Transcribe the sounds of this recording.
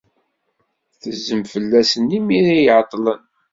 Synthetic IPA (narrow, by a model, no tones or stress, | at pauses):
θəzːəmfəlːæsənimiɾijʕt̪ˤːlən